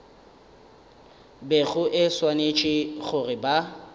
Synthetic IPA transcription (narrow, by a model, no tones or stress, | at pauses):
beɣʊʔɪswanet͡ʃʼɪɣʊrɪba